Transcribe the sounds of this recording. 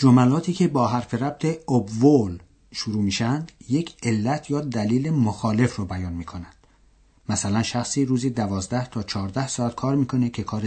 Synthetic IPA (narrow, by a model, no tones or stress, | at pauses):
d͡ʒomælɒːt̪ʰiːcʰe̞bɒːɦæɾfe̞ɾæb̥̚t̪ʰe̞obvol | ʃuɾuːmiːʃænd̪je̞cʰe̞lːæt̪ʰjɒːd̪æliːle̞moxɒːle̞frobæjɒːnmiːkʰonænd̪̥ | mæsælænʃæxsiːɾuːziːd̪ævɒːzd̪æht̪ʰɒːt͡ʃʰɒːɾd̪æhsɒːæt̪̚kʰɒːɾmiːkʰo̞ne̞cʲʰe̞kʰɒːɾe